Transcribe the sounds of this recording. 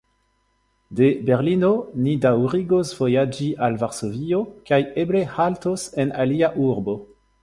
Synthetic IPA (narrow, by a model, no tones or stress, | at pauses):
de̞beʁlinonidawʁiɡosv̥o̞jad͡ʒiʔalvaʁsovio̞kajeble̞haltosenaliaʔuʁbo̞